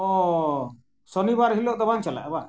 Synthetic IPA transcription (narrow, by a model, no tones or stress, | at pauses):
ɔ | sɔnibaɾɦilɔʔt̪ɔbant͡ʃala̰ʔba